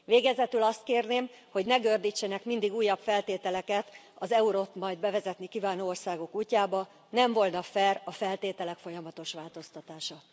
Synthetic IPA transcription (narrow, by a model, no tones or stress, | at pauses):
veːɡɛzɛt̪ylɒst̪̚keːrneːm | ho̞ɟnɛɡørd̪it͡ʃːɛnɛkmind̪iɡuːjːɒpfɛlt̪eːt̪ɛlɛkɛt̪ | ɒzɛuɾoːt̪mɒjd̪̚bɛvɛzɛt̪nikivaːnoːorsaːɡo̞kuːcːaːbɒ | nɛɱvo̞lnɒfɛrɒfɛlt̪eːt̪ɛlɛkfo̞jɒmɒt̪o̞ʃʋaːlt̪o̞st̪ɒt̪aːʃɒ